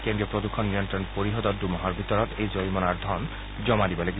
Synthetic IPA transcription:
kend̪ɾiɔpɾod̪ukʰːɔnniɔnt̪ɾɔnpoɾiɦɔt̪ɔd̪ɾumɔɦɔɾbʱit̪ɔɾɔt̪ejd͡ʑojmɔnaɾd̪ʱɔn | d͡ʑɔmad̪ibɔleɡ

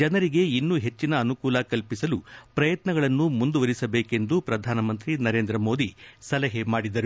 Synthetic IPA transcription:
d͡ʒɐnɐɾiɡe̞inːuɦe̞t͡ʃːinɐːnukuːlɐkɐlpisɐlupɾɐjɐt̪nɐɡɐɭɐnːumund̪uʋɐɾisɐbeːke̞nd̪upɾɐd̪ʱaːnɐmɐnt̪ɾinɐɾe̞ːnd̪ɾɐmo̞ːd̪isɐlɐɦemaːɽid̪ɐɾu

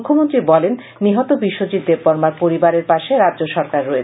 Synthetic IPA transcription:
ukʰːomont̪ɾibɔlenːiɦɔt̪obiʃːod͡ʑit̪̚d̪ebbɔɾmaɾpoɾibaɾeɾpaʃeɾadd͡ʑoʃɔɾkaɾːɔet͡ɕʰ

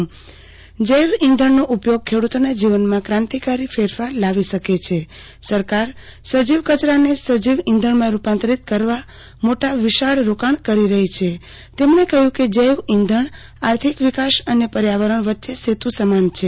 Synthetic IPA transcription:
d͡ʒəjʋĩnd̪ʱəɳnoʔupjoɡ̚kʰːeɽut̪onad͡ʒiʋənmãkɾãnt̪ikaɾifʰeɾfaɾlaʋiʃəket͡ʃʰe | səɾkaɾsəd͡ʒiʋkət͡ʃɾanesəd͡ʒiʋĩnd̪ʱəɳmãɾupãnt̪ɾit̪̚kəɾʋa | moʈaʋiʃaɭɾokaɳ̃kəɾiɾəɦit͡ʃʰe | t̪emɳekəɦjũked͡ʒəjʋĩnd̪ʱəɳ | aɾt̪ʰikʋikaʃənepəɾjaʋəɾəɳʋətːʃeset̪ũsəmant͡ʃʰe

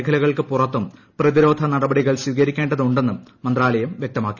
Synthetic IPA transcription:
kʰɐlɐɣɐɭkɨpurɐt̪ːum | prɐðiɾo̞ːd̪ʱɐnɐɽɐbɐɽiɣɐɭsiːɣɐɾikʲːeːɳɖɐðuɳɖe̞nːumːɐnd̪raːlɐjɐmʋjek̚t̪ɐmaːkːi̥

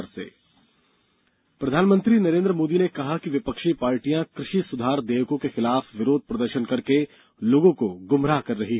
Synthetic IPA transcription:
ɾsḛː | pɾɐd̪ʱaːnmə̃nt̪ɾinɐɾẽːnd̪ɾəmoːd̪inekɐɦakiʋɪpəkʃipaːɾʈijãkɾɪʃisʊd̪ʱaːɾd̪eːʋkõkexɪlaːfʋɪɾoːd̪̚ʱpɾɐd̪əɾʃənkɐɾke | loːɡõkoɡʊmɾakɐɾːɐɦiɦɛ

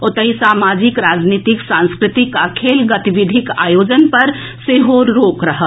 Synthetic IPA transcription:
ot̪əɦisaːmad͡ʒikɾad͡ʒnit̪iksãnskɾɪt̪ikəkʰelɡət̪iʋid̪ʱika̰joːd͡ʒənpɐɾ | seɦoɾɾoːkɾəɦə

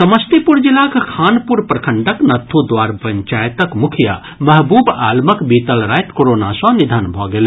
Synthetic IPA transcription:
sɐməst̪ipuɾd͡ʒilakkʰaːnpuɾpɾɐkʰəɳɖəknɐt̪ʰːud̪ʋaːɾpɐɲt͡ʃaːjt̪əkmukʰija̰ | mɐɦbuːbaːlməkbiːt̪əlɾaːjt̪koɾoːnasɔ̃nid̪ʱanbʱɔɡele

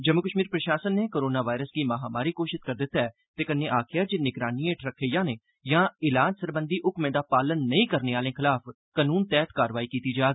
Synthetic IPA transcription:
d͡ʒəmːʊkəʃmiːɾpɾəʃaːsənːeːkoːɾoːnaːʋaːɪɾəsɡiːməɦaːmaːɾiːkoːʃɪʃkəɾd̪ɪt̪ːaɛː | t̪eːkənẽːʔaːkʰɪjaːd͡ʒɪnɪɡɾaːniːẽːʈʰɾəkʰːejãːneː | jãːɪlaːd͡ʒsəɾbənd̪iːʔʊkmẽːd̪aːpaːlənːəĩːkəɾneːaːlẽːkʰɪlaːf | kənuːnt̪ɛːt̪kaːɾəʋaːiːkiːt̪iːd͡ʒaːɡ

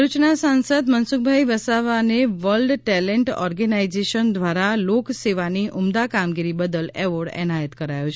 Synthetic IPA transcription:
ɾut͡ʃnasãnsəd̪mənsuk̚bʱaiʋəsaʋaneʋəlɖʈɛleɳʈɔ̰ɾɡənaid͡ʒeʃənd̪ʱʋaɾalokseʋaniʔʊmd̪akamɡiɾibəd̪əlɛʋɔɖɛ̰najət̪kəɾajot͡ʃʰ

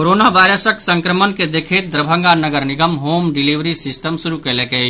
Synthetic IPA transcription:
koɾoːnaʋaːɪɾəsəksə̃ŋkɾəmənked̪ekʰet̪̚d̪ɾəbʱə̃ŋɡanəɡəɾnɪɡəmɦoːmɖɪliʋɾisɪsʈəmsʊɾukelekei

